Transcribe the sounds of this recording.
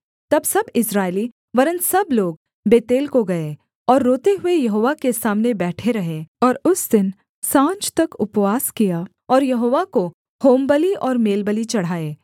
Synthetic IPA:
t̪ɐbsɐbɪsɾaːeli | ʋɐɾə̃nt̪sɐbloːɡ̚ | beːt̪eːlkoɡɐe | ɔːɾːoːt̪eɦʊejɐɦoːʋakesaːmnebɛːʈʰeɾɐɦeːɔːɾʊsd̪ɪn | sãːɲt͡ʃt̪ɐkʊpʋaːskija | ɔːɾjɐɦoːʋako | hoːmbəliʔɔːɾmeːlbəlit͡ʃɐɽ̤ɦaːeː

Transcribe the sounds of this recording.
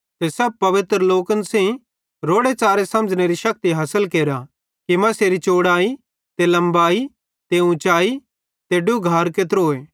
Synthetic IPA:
t̪esɐb̚pɐʋɪt̪ɾəloːkənsẽĩ | ɾoːɽet͡ʃaːɾesɐ̃məd͡ʒneɾiʃɐk̚t̪iɦaːsəlkeːɾa | kimɐ̃seːɾit͡ʃoːɽaːi | t̪elɐ̃mbaːi | t̪eũt͡ʃaːi | t̪eːɖuɡʱaːɾket̪ɾoːeː

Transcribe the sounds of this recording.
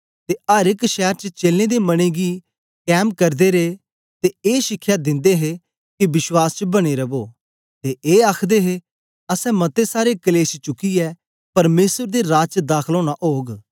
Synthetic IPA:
t̪eʔɐɾɪkʃɛːɾt͡ʃət͡ʃeːlned̪emɐɽ̃eɡi | kɛːmkɐɾd̪eɾe | t̪eeːʃɪkʰːjad̪ɪ̃nd̪eɦe | kibɪswaːst͡ʃəbɐɽ̃eɾɐboː | t̪eʔeːaːkʰd̪eɦe | ɐsɛ̃mɐt̪esaːɾekɐleːsit͡ʃʊkiɛ | pɐɾmeːsəɾd̪eɾaːt͡ʃd̪aːkʰloːɽ̃aʔoːɡ

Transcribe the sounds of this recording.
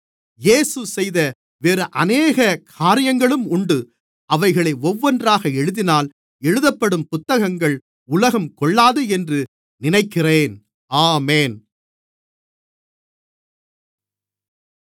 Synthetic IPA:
jeːsɯsɛjðɐ | ʋeːɾɯʔɐneːɣɐkʰaːɾɪjɐŋɡɐɭɯmʊɳɖɯ | ɐʋɐɪɣɐɭɐɪɔʋːɔndraːɣɐɛɻɯðɪnaːl | ɛɻɯðɐpːɐɽɯmpʊt̪ːɐɣɐŋɡɐɭ | ʊlɐɣɐmkɔɭːaːðɯɛndrɯ | nɪnɐɪkːɪreːn | aːmeːn

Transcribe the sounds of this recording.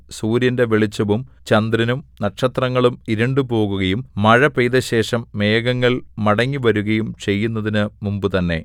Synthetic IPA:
suːɾjɐnde̞ʋeɭit͡ɕːɐʋumt͡ɕɐnd̪rɐnumnɐʈʂɐt̪rɐŋːɐɭumiɾɐɳɖupo̞ːɣuɣɐjumːɐɻɐpejðɐɕe̞ːʂɐmːeːɣɐŋːɐɭmɐɽɐŋːiʋɐɾuɣɐjumt͡ɕe̞jːunːɐðinɨmumbɨt̪ɐnːe̞

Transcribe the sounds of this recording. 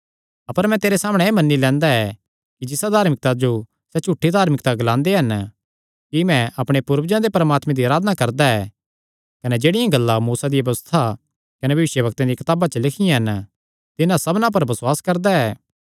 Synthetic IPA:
ɐpəɾmɛ̃t̪eːɾesaːməɽ̃eeːmɐnːilɛ̃ːnd̪aɛ | kid͡ʒɪsad̪ʱaːɾmɪk̚t̪ad͡ʒo | sɛt͡ʃʰuʈʰːid̪ʱaːɾmɪk̚t̪aɡɐlãːnd̪eɦɐn | kimɛ̃ʔɐpɽ̃epʊɾʋd͡ʒãd̪epɐɾəmaːt̪mẽd̪iaːɾaːd̪ənakɐɾd̪aɛː | kɐned͡ʒeːɽɪjãɡɐlːamuːsad̪ɪjaɐbɐʋst̪ʰa | kɐnebʱɐʋɪʃjəbɐk̚t̪ãd̪ikɐt̪aːbat͡ʃəlɪkʰɪjãɦɐn | t̪ɪnãsɐbnãp̬ɐɾbɐswaːskɐɾd̪aɛː

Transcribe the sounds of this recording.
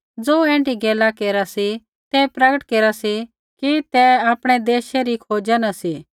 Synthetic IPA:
d͡zoːɛ̃ːɳʈiɡeːlakeːɾasi | t̪ɛpɾɐɡəʈkeːɾasi | kit̪ɛaːpɽ̃ɛd̪eːʃeɾikʰoːd͡ʒanasiː

